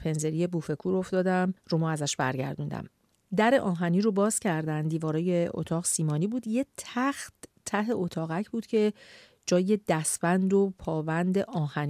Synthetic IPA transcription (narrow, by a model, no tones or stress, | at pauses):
pʰe̞nze̞ɾije̞buːfe̞kʰuːɾo̞ft̪ɒːd̪æmɾomɔæzæʃbæ̰ɾɟæ̰ɾd̪und̪æ̰m | d̪æɾe̞ʔɒːɦæniɾobɒːz̥cʰæɾd̪ænd̪d̪iːvɒːɾɒːjeo̰t̪ʰɒːɣsiːmɒːniːbuːd̪jet̪ʰæxt̪ʰː | æɦe̞ʔo̞t̪ʰɒːɣæcʰbuːd̪cʰe̞ | d͡ʒɒːje̞d̪æsbænd̪opʰɒːvænd̪e̞ʔɒːhæn